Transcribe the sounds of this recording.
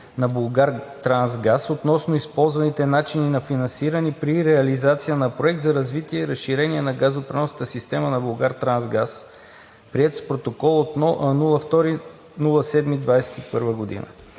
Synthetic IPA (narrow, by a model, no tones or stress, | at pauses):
nɐbulˠɡaɾt̪ɾanzɡasot̪nɔsnoispɔlˠzvɐnit̪ɛnat͡ʃininɐfinɐnsiɾənipɾiɾɛɐlizat̪sijənɐpɾoɛk̚t̪zɐɾɐzvit̪iɛiɾəsʃiɾɛnʲiɛnɐɡazopɾɛnɔsnət̪əsist̪ɛmənɐbulˠɡaɾt̪ɾanzɡas | pɾiɛt̪spɾot̪okɔlˠot̪nɔnulˠəft̪ɔɾi | nulˠəsɛd̪mid̪vajsɛ̥t̪ipəɾvəɡod̪ḭnə̰